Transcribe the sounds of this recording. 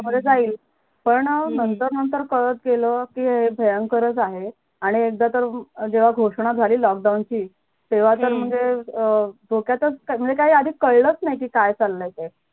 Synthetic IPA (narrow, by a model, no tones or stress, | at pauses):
məd̪ʱed͡zaiːl | pəɳnənt̪əɾnənt̪əɾkəɾət͡sɡeləkiːɦebʱəjəŋkəɾət͡saɦe | aɽ̃iek̚d̪at̪əɾd͡ʑeʋ̤aɡʱoʂɳ̃ad͡zʱaliːlɔk̚ɖawnt͡ɕiː | t̪eʋ̤at̪əɾm̤əɳd͡ʑe | d̪ʱokjat̪ət͡skm̤əɳd͡zekaɦiːad̪ʱiːkəɭlət͡snajkiːkajt͡salːəjt̪e